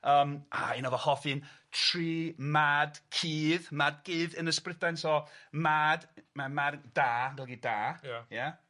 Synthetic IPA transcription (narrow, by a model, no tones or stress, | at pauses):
əːma̰inɔðɔhɔfɨntʰriːmadkʰiːðmad̚ɡɨːðənəsprɪdajnsɔmadmamaddaːɡɛlˠɡidaːja